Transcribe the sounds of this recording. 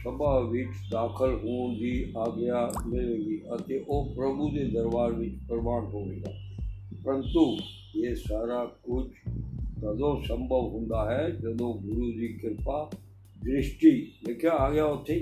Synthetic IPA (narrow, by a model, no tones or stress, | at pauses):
səbaʋɪt͡ʃd̪aːkʰəlɦuõb̪ʱiaːɡəjamɪleːɡiʔɐt̪eʔoːpɾɐbʱud̪ed̪ɐɾʋaːɾʋɪt͡ʃpəɾmaːnɦoɡeːɡa̰pəɾə̃nt̪u | jesaːɾakʊt͡ʃʰk̪ɐd̪õsə̃mbʱəʋɦʊ̃nd̪aɦɛd͡ʒɐd̪õɡʊɾud͡ʒ̪ikɪɾpa | d̪ɾɪʃʈileːkʰeaːɡəjaot̪ʰe